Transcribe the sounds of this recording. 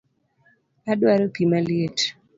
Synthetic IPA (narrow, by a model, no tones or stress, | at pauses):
adwaɾopimaljet